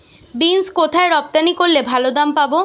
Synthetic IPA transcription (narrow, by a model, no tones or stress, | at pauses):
binskot̪ʰaeɾɔp̚t̪anikoɾlebʱalod̪ampabo